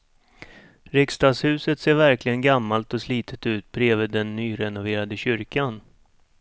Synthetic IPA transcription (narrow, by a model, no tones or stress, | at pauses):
ɾɪkst̪ɑːɡshʉ̟ːsət̪seːɾvæɾklɪɡənɡamːalt̪ɔsliːt̪ʰə̥t̪ʉ̟ːt̪̚bɾeːvəd̪ɛnːyːɾɛnʊveːɾad̪əɕʏɾkan